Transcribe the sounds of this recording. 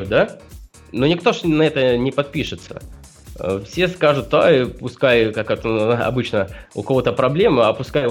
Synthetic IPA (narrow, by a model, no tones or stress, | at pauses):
ʊd̪a | nonʲɪkt̪o̞ʂnɐɛt̪ənʲɪpɐt̪̚pʲiʂɨt̪sə̰ | fsʲe̞skaʐʊt̪̚d̪aipʊskajkakɐt̪ɐ̰bɨt͡ɕnəʊ̰kɐvo̞t̪əpɾɐblʲe̞mɐpʊskaj